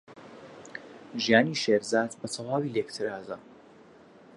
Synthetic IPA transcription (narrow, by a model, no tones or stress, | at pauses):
ʒijaːniːʃeːɾzaːd̪bɐt̪ʰɐwaːwiːlekt̪ʰɨɾaːzɐ